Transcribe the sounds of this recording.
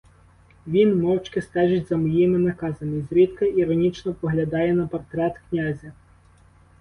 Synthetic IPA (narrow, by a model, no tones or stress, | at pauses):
ʋʲinmɔwt͡ʃkɪst̪ɛʒɪtʲzɐmɔjimɪnɐkɑzɐnɪzʲɾʲid̪kɪiɾɔnʲit͡ʃnɔpɔɦlʲɐd̪ɑjɛnɐpɔrt̪ɾɛt̪knʲazʲɐ